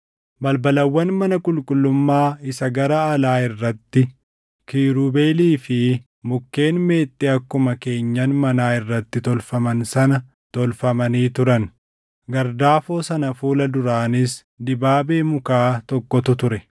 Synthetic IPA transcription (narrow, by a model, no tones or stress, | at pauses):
bɐlbɐlɐwːɐnmɐnɐkʼʊlkʼʊlːʊmːaːɪsɐɡɐɾɐːlaːɪrːɐt̪ːɪ | kiːɾuːbe̞ːliːfɪ | mʊkːe̞ːnme̞ːt̪ʼːɪɐkːʊmɐke̞ːɲːɐnmɐnaːɪrːɐt̪ːɪt̪ɔlfɐmɐnsɐnɐ | t̪ɔlfɐmɐniːt̪ʊɾɐn | ɡɐɾd̪aːfo̞ːsɐnɐfuːlɐd̪ʊɾaːnɪs | d̪ɪbaːbe̞ːmʊkaːt̪ɔkːɔt̪ʊt̪ʊɾɛ